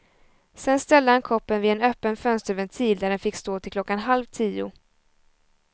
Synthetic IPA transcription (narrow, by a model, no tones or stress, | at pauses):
sɛnst̪ɛld̪əhankʰɔpːənvɪɛnœːpːənfœnst̪əɾvɛnt̪ʰiːld̪æɖɛnfɪkːst̪oːt̪ʰɪlkʰlɔkːanɦalvt̪ʰiːʊ̰